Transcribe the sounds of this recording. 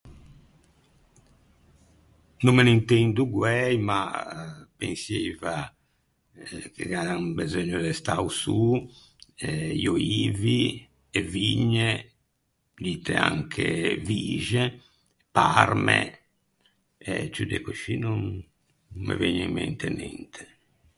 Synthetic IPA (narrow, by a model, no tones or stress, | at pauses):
numːenint̪ɛnd̪uɡwɛjma | pẽnseva | kʰeɡadabɛzɔɲːud̪ɛst̪ausuː | ɛiɔiːvi | ɛviɲːɛ | liːt̪ʰɛa̰ŋkʰeviːʒɛ | paɾmɛ̰ | ɛt͡ʃud̪ɛkoʃinun | mḛveɲːɛmːɛ̰nt̪ɛnɛ̰nt̪ʰɛ̥